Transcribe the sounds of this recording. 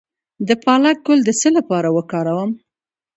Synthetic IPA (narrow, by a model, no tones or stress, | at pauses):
d̪əpɑlak̚ɡʊld̪əsəlapɑɾawəkɑɾawəm